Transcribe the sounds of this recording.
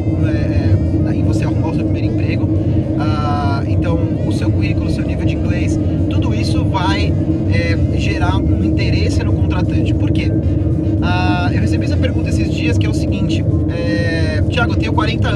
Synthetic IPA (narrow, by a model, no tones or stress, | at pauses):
ɛɛaivoseamɔls̬ewpɾimejɾʊ̃eɾ̃pɾeɡʊ | a | ḛ̃nt̪ɐ̃w̃ | ʊsewkuhikʊlʊsewnivewd͡ʒɪĩɡlejs | t̪ud̪ʊisʊvaj | ɛʒeɾaũĩt̪eɾesɪnʊkõnt̪ɾat̪ɐ̃t͡ʃɪ̥poɾke | aewheseɐbiɛzmɐpeɾɡũt̪ɐesɪzd͡ʒiɐskɪɛʊsɪɡĩnt͡ʃɪ | ɛ | t͡ʃiaɡʊt̪ẽj̃ʊkwaɾẽnt̪ɐ